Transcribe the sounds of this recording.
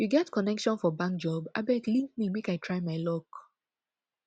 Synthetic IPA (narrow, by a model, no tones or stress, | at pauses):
juɡɛtkʰɔnɛkʃɔ̃nfɔbãŋk̚d͡ʒɔba̰bɛtlĩŋk̚mimekaɪtʰɹaɪmaɪlɔk